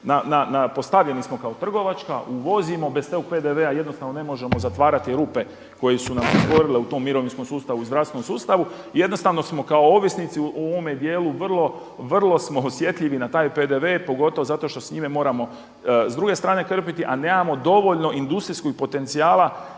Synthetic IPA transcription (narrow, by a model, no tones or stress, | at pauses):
nananapo̞st̪aʋʎe̞nismo̞kao̞t̪r̩ɡo̞ʋat͡ʃkaʔuʋo̞zimo̞best̪eɡoɡ̚pe̞d̪eʋeaje̞d̪nost̪aʋno̞ne̞mo̞ʒe̞mo̞zat̪ʋaːɾat̪iɾuːpe̞ | ko̞jesunamsot̪ʋo̞ɾileut̪o̞mːiɾo̞ʋinskomsuːst̪aʋuizɾafst̪enomsuːst̪aʋu | je̞d̪no̞st̪aʋno̞smo̞kao̞oʋisnit̪siuʔooʋomed̪je̞ːluʋr̩lˠo̞ | ʋr̩lˠo̞smo̞osje̞t̪ʎiʋinat̪aːjpe̞d̪e̞ʋepo̞ɡo̞t̪o̞ʋozat̪o̞ʃt̪o̞sɲimemo̞ːɾamo̞ | zd̪ɾuɡe̞st̪ɾaːne̞kr̩pit̪iʔane̞ːmamo̞d̪o̞ʋo̞ʎno̞ʔind̪ust̪ɾiskoɡ̚po̞t̪e̞nt̪siaːlˠa